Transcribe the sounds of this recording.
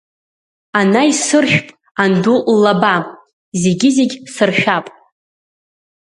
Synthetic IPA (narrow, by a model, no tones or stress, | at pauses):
anaisɨrʃᶣpʼ | andullːaba | ze̞ɡʲɪzeɡʲsɨrʃᶣapʼ